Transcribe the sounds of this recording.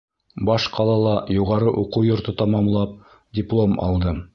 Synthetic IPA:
bɑʃqʰɑlˠɑlˠɑjuʁɑɾɤʔuqujŏɾt̪ɤt̪ɑmɑmlˠɑp̚ | dʲɪplˠomɑ̰lˠd̪ɤ

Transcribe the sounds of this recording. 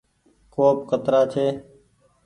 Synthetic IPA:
koːp̚kət̪ɾaːt͡ʃʰeː

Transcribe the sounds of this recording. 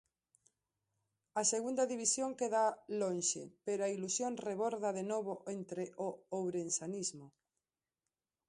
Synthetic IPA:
aseɣund̪aðiβisjoŋkeðalonʃḛpeɾoailusjonreβoɾðaðenoβ̞oʔent̪ɾeʔoowɾensanizmo

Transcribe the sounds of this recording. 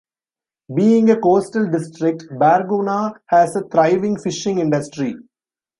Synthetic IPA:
biːɪ̃ŋəkoːsʈəlɖɪsʈɾɪk̚ʈbæːɾɡuːnaːhæsət̪ɾaɪʋɪ̃ŋfɪʃɪ̃ŋɪ̃ɳɖɐsʈɾi

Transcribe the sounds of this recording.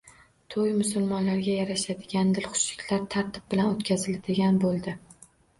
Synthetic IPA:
t̪ʰojmʊsʊlˠmɒnlaɾɡʲajaɾaʃad̪ɪɡʲand̪ɪlχʊ̥ʃlɪkʲʰlaɾt̪ʰaɾt̪ʰɪ̥b̚bɪlanot̪kʲʰazɪlad̪ɪɡʲanbolˠd̪ɪ

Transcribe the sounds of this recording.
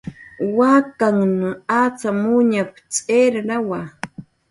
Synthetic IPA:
wakaŋnaat͡samʊɲap | t͡sʼeɾɾawa

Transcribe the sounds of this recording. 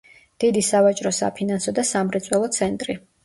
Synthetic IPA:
d̪̥id̪isavat͡ʃʼɾɔsa̰pʰinansɔd̪asamɾɛt̪sʼwɛlˠɔt̪sʰɛnt̪ʼɾi

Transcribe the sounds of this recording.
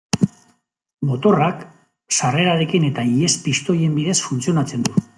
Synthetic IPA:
mo̞t̪o̞rak | sare̞ɾaɾekine̞t̪aie̞spist̪o̞je̞mbiðe̞sfunt͡sio̞nat͡se̞nd̪u

